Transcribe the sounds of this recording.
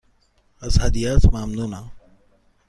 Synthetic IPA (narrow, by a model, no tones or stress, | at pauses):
ɐshaːd̪ijaːsmaːmd̪ũːnaː